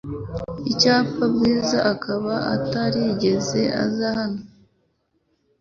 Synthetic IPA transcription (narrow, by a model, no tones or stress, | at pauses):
icaːpabɡiːzaʔakʰaβaa̰taɾiɟe̞ze̞a̰zahano